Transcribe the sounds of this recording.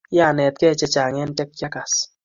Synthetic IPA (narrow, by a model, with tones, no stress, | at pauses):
ja˦˨nɛ˨t̪̚kɛ˦˨t͡ʃɛ˧t͡ʃa˨ŋɛ˦n˦tɛ˦k̚t͡ʃa˦ka˨s